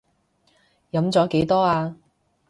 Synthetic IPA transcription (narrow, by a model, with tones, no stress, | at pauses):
jɐ˨˧˥mt͡sɔː˨˥ke˨˥jt̪ɔː˥aː˧